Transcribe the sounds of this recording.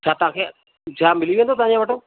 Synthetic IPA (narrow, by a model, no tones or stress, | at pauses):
t͡ɕʰaːt̪ʊãkʰeː | d͡ʑaːmɪliʋẽːnd̪oːt̪ɐãɲd͡ʑãːʋəʈõː